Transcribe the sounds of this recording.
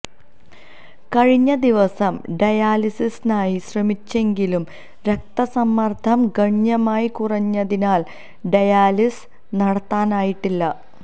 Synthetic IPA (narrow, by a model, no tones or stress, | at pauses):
kɐɻiɲːɐd̪iʋɐsɐmɖɐjaːlisisnaːjiɕrɐmit͡ɕːe̞ŋɡilum | ɾek̚t̪ɐsɐmːɐrd̪ʱɐmɡɐɲjɐmaːjikurɐɲːɐðinaːl | ɖɐjaːlis | nɐɽɐt̪ːaːnaːjiʈːilːɐ